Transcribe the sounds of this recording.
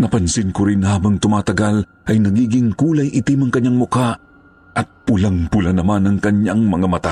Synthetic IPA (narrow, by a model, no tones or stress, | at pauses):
nɐpɐnsɪnkʊɾɪnhaːbɐŋt̪ʊmaːt̪ɐɡal | ʔɐjnɐɡiːɡɪŋkuːlajʔɪt̪imɐŋkɐɲːaŋmʊka | ʔɐt̪̚pʊlaŋpʊlanɐmanɐŋkɐɲjaŋmɐŋamɐt̪a